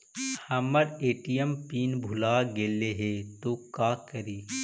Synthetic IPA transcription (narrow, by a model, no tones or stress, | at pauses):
hɐməɾeːʈijəmpiːnbʱʊlaːɡeːleɦet̪oːkaːkəɾiː